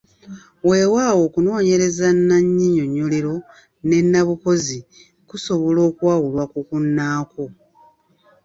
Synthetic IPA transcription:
we̞ːwaːwo̞ːkuno̞ːɲe̞ɾe̞zanːaɲːiɲo̞ɲːo̞liɾo̞ | ne̞nːaβuko̞zi | kuso̞βo̞lo̞ːkwaːwulwakukunːaːko

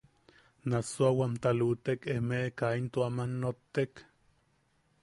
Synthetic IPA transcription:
nasoawamt̪alut̪ekehmekaint̪oamanːot̪ːek

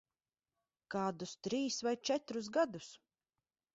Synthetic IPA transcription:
kaːd̪ust̪ɾiːsvajt͡ʃɛt̪ɾus̬ɡad̪us

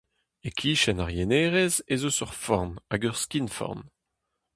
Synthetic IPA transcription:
ekʰiːʃɛnaʁjeneːʁezezosɔʁfɔʁnaɡœʁskinfɔ̰ʁn

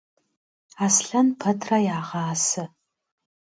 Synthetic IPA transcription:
aːsɬɐnpʰɐtʰrɐjaːʁɑːsɨ

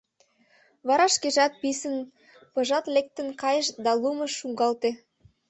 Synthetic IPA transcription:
βɑɾɑʃkeʒɑt̪̚pisən | pɤ̆ʒɑt̪lek̚t̪ə̆nkɑjəʃd̪ɑluməʃːuŋɡɑlt̪e

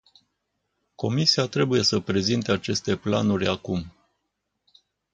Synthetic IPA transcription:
ko̞misiat̪ɾe̞buje̞səpɾe̞zint̪eat͡ʃe̞st̪e̞pla̰nuɾʲakum

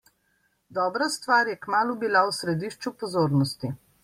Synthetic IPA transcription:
d̪ɔːbɾast̪ʋaːɾjɛkmaːlubilawsɾɛd̪iːʃt͡ʃupɔzoːɾnɔst̪i

